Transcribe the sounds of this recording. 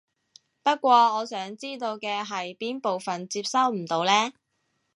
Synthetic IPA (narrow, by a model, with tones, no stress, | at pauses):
pɐ˥t̚kʷɔː˧ɔː˨˧sœː˨˥ŋt͡siː˥t̪o˧wkɛː˧ɦɐ˨jpiː˥npo˨wfɐ˨nt͡siː˧p̚sɐ˥wm̩˨˩t̪o˨˧wlɛː˥